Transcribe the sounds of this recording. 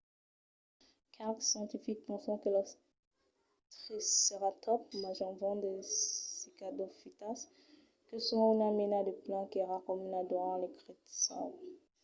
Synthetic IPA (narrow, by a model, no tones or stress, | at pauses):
kʰaʁksjɑ̃t̪ifik̚pɑ̃sɔ̃kəla | t̪χisːəʁat̪ɔpmaʒɔ̃vɑ̃d̪esikad̪ofit̪as | kəsãunamenad̪əplɑ̃keʁakɔmnad̪uʁɑ̃lekʁet̪sɑ̰̃